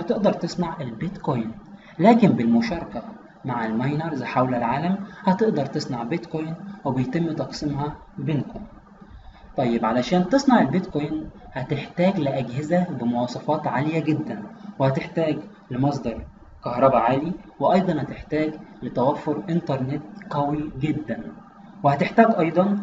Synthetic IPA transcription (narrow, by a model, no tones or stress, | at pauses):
hæt̪eʔd̪ɑɾˤt̪esˤnɑʕelbet̪kojn | læːkɪmbɪlmʊʃɑːɾˤɑkæ | maʕelmæjnɑɾˤzħawlælʕaːlæmhæt̪eʔd̪ɑɾˤt̪esˤnɑʕbet̪kojnwebejt̪emːt̪ɑqsimɦɑ | benkon | t̪ˤɑjːebʕalæʃæːnt̪esˤnɑʕelbet̪kojnhæt̪eħt̪æːɡlɪʔæɡɦɪzæbɪmowɑːsˤɑfɑːt̪ʕalejæɡed̪ːænwehæt̪eħt̪æːɡ | lemɑs̬ˤd̪ɑɾˤ | kɑhɾˤɑbæʕaːliweʔɑjd̪ˤɑnhæt̪eħt̪æːɡlet̪æwæfːoɾʔent̪ɑɾˤnet̪qæwiɡed̪ːæn | wehæt̪eħt̪æːɡʔɑjd̪ˤɑn